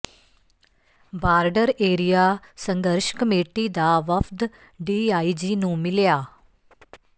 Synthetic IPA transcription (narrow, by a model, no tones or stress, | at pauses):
baːɾɖəɾeːɾijaːsə̃ŋɡəɾʃkəmeːʈiːd̪aːʋəpʰd̪ | ɖiːaːid͡ʒiːnũːmɪljaː